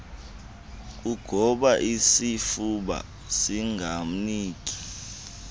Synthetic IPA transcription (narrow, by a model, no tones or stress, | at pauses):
k̬ʼuɡ̥ʱɔɓaʔisifuɓa̰ | siŋɡʱam̩niːk̬ʼi̥